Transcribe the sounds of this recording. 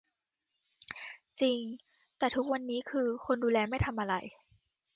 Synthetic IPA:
t͡ɕi˧ŋ | t̪ɛː˨˩t̪ʰu˦˥k̚wa˧nːiː˦˥kʰɯː˧kʰo˧nduː˧lɛː˧ma˥˩jt̪ʰa˧mʔa˧ɾa˧˩j

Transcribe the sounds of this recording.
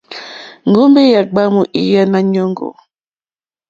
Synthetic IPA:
ŋ˨ɡo˦mbe˦ja˨ɡ͡ba˦mu˨ʔi˨ja˦na˦ɲo˦ŋɡo̰˨

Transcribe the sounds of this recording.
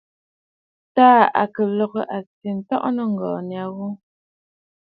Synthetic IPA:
taː˦a̰˨kə˨lɔ˨ɣə˦ʔa˨t͡si˨n̩˨˦tɔ̰˦ʔnə˦ŋ̩˨ɡɔː˨nja˨ɣu˦

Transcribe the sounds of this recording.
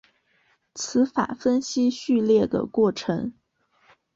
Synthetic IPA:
t͡sʰɹ̩˧˥fa̰˨˩fə˥nɕi˥ɕy˥˧ljɛ˥˩d̪ə̰˩kwɔ˥˩ʈ͡ʂʰɤ˧˥ŋ

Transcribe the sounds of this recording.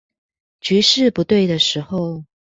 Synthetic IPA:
t͡ɕy˧˥ʂɻ̩˥˨pu˧˥t̪we˥˩ɪd̪ə˩ʂɻ̩˧˥xo˨˧ʊ

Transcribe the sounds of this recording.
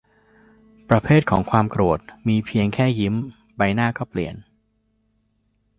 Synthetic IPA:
pɾa˧pʰeː˥˩t̪̚kʰɔː˩˦ŋkʰwaː˧mkɾu˨˩ət̪̚miː˧pʰi˧əŋkʰɛː˥˩ji˦˥m | ba˧jnaː˥˩kɔː˥˩plḭ˨˩ən

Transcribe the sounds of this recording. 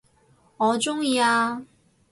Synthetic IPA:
ŋɔː˨˧t͡ʃʊ˥ŋjiː˧aː˧

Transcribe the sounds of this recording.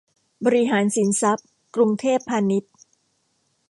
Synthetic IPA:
bɔː˧ɾi˦˥ɦaː˩˦nsi˩˦nsa˦˥p̚ | kɾu˧ŋt̪ʰeː˥˩pʰːaː˧ni˦˥t̪̚

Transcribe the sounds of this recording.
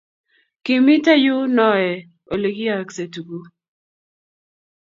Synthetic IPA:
ki˨mi˦ta˦jʊ˦nɔ˦ɛ˨ | o˨le˨ɡi˦a˦˨kse˨tu˨ɡu˦

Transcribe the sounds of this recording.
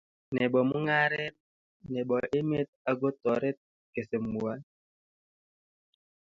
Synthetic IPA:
nɛ˨ɓɔ˨mu˦ŋa˦ɾe˦t̚ | nɛ˨ɓɔ˨ʔe˦me˦t̪̚a˨ɡo˦tɔ˨ɾe˦t̚ | ke˨se˨mu˨a˦n

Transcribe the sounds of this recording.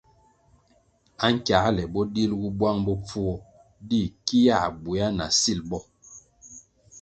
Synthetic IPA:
a˦ŋ̩˦kja˨˦lɛ˨bɔ˦di˦lɡu˦bwa˦ŋbɔ˦p͡fu˦ɔ˦ | di˦˨ki˦ja˦˨bu˨ja˦na̰˨si˦˨lbɔ˦

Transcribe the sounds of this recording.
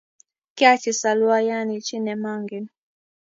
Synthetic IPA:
ki˦a˦t͡ʃi˨sa˨lwa˦ja˦ni˨t͡ʃi˦nɛ˨ma˦ŋɡi˨n

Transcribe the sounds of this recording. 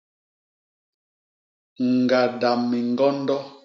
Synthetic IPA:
ŋ˨ɡa˨da˨mːi˨ŋ˦ɡɔ˦n˦dɔ˦

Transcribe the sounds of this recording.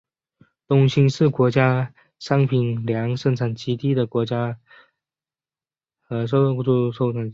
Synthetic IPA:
t̪ʊ˥ŋɕi˥ŋʂɻ̩˥˩kwɔ˧˥t͡ɕja˥ | ʂɑ˥ŋpʰi˨˥nljɑ˧˥ŋʂə˥˧ŋʈ͡ʂʰa˨˩nt͡ɕi˧˥t̪i˥d̪ə˨kwɔ˧˥t͡ɕja˥˧˥ | ʂu˥˧ʂo˥˧ʊʈ͡ʂʰa˨˩n

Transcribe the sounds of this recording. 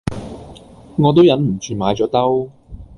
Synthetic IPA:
ŋɔː˨˧t̪̬o˥wjɐ˨˥nm̩˨˩t͡ʃʰyː˧maː˨˥jt͡ʃɔː˨˥t̪ɐ˥w

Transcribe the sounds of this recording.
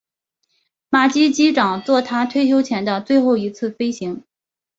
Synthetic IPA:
ma˨˩t͡ɕi˥t͡ɕi˥ʈ͡ʂɑ˨˩ŋt͡swɔ˥˩t̪ʰa˥t̪ʰwe˥˧ɪt͡ɕʰjo˥ʊt͡ɕʰjɛ˧˥nd̪ə˧t͡swe˥˧ɪxo˥˩ʊi˧˥t͡sʰɹ̩˥˩fe˥ɪɕi˧˥ŋ

